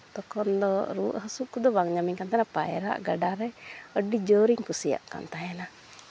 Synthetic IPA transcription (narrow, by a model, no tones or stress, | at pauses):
t̪ɔkɔnd̪ɔɾṵʔɦəsuʔkud̪ɔbaŋɲamiɲkant̪anapa̰jɾa̰ʔɡaɖaɾɛəɖid͡ʒɔɾiŋkusija̰ʔka̰nt̪ajana